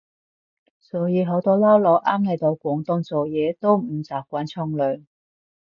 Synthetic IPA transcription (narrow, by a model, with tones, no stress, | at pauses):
sɔː˨˥jiː˨˧ɦo˨˥wt̪ɔː˥lɐ˥wlɔː˨˧wʔaː˥mle˨˧jt̪o˨˧wkʷɔː˨˥ŋt̪ʊ˧ŋt͡sɔː˨˩jɛː˨˧t̪o˥wm̩˨˩t͡saː˨˩p̚kʷaː˨˥nt͡sʰɔ˧ŋlœː˨˩ŋ